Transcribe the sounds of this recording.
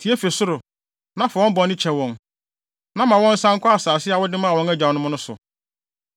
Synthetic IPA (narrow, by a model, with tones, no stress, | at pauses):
tʰi˨˦e˦fe˨sʊ˦ɾʊ˨ | nã˦fʊ˨wɔ̃˦m̩˦bɔ˨˦nɪ̃˦t͡ɕʰɛ˨wɔ̃˨n | nã˦mã˨wɔ̃˦n̩˦sã˦ŋ˦kʰʷa˦a˨saː˨sɪ˦a˨wʊ˦dɪ˦mã˦˨wɔ̃˦ŋæ˦d͡ʑã˨nʊ̃˦mʊ̃˦nʊ̃˦sʊ̰˨